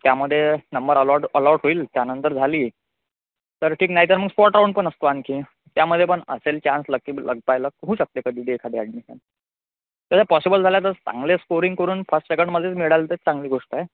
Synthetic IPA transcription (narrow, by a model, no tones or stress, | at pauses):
t̪jaməd̪ʱːjenəmbəɾəəloɾɽɦoiːlt̪janənt̪əɾd͡zʱaliː | t̪əɾʈʰiːknaɦiːt̪əɾm̤əɡspɔʈauɳpəɳəst̪oankiː | t̪jaməd̪ʱːjepəɳə̰selt͡ɕãnsləkːilʔə̰ɡ̚pajləɦuɕək̚t̪ekəd̪ʱiːɖekʰaɽiaɽmisə̰n | t̪asapɔsibəld͡zʱaljat̪əɾt͡sã̰ŋɡleskoɾiŋɡkəɾuːnfəsʈsekəɳɖməd̪ʱjet͡smiɽalt̪et͡sãŋɡliːɡʱoʂʈae